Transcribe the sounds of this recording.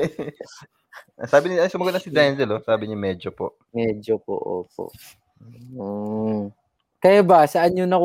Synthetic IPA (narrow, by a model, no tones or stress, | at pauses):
saːbɪnɪɐsʊmɐɡot̪nɐsɪd̪anzɛlosaːbɪɲɪmɛːd͡ʒopoʔ | mɛd͡ʒopo̰ʔo̰ːp̚o̰ʔ | kɐjabɐsɐʔɐnɲonɐk